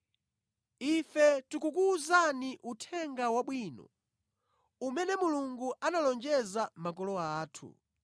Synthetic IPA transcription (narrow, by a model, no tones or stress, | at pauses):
ifɛtukukuːzaniʔutʰɛŋɡawaɓwinɔ̰ | umɛnɛmuluŋɡuʔanalɔnd͡ʒɛzamak̬ɔlɔaːtʰṵ